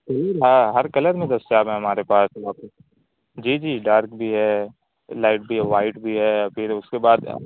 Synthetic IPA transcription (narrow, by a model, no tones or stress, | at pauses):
kɐliːlɦãːɦɐɾkɐləɾmẽd̪ɐst͡ʃaːbɦɛ̃ɦɐmaːɾepaːsaːp̚ | d͡ʒiːd͡ʒiːɖaːɾk̚bʱiɦɛː | laːɪʈ̚bʱiɦɛʋaːɪʈbʱiɦɛːpʰɪɾʊskebaːd̪̰